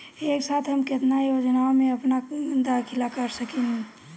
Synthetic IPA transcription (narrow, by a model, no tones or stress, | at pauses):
eːksaːt̪ʰɦəmkɪt̪najoːd͡ʒnaomẽɐpnaɡənd̪akʰɪlakəɾsəken